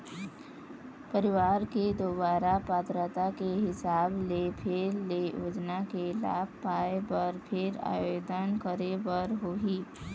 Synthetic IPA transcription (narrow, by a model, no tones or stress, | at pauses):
pəɾɪʋaːɾked̪obaːɾapaːt̪ɾət̪akeɦɪsaːblepʰɪɾlejo̰ːd͡ʒnakela̰ːb̚ʱpaːebəɾpʰɪɾa̰ːjoːd̪ənkəɾebəɾɦoːɦiː